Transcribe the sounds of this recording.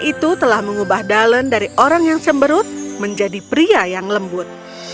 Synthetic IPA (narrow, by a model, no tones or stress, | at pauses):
ʔit̪ut̪əlahməŋubahdaləndaɾiʔoɾaŋjaŋsəmbəɾʊt̪̚məɲd͡ʒadipɾiajaŋləmbʊt̪̚